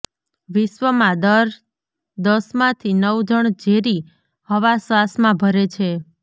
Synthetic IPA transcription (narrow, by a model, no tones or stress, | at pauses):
ʋɪʃʋəmãd̪əɾ | d̪əsmãt̪ʰinəwd͡ʒʱəɳd͡ʒeɾi | həʋasʋasmãbʱəɾet͡ʃʰe